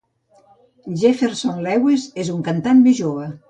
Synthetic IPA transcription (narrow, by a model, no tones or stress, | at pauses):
ʒefeɾsonlɛwezezuŋkant̪anmeʒoβə